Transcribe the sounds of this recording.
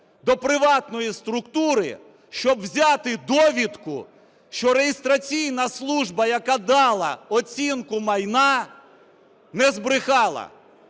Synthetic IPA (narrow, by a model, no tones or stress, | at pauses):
d̪ɔpɾɪʋɑt̪nɔjist̪ɾʊkt̪uɾɪ̰ | ʃt͡ʃɔbwzʲɑt̪ɪd̪ɔʋʲit̪kʊ̰ | ʃt͡ʃɔɾejist̪ɾɐt͡sʲijnɐslˠuʒbɐjɐkad̪ɑlˠɐɔt͡sʲinkʊmɐjnɑ | nɛzbɾɪxɑlˠɐ̰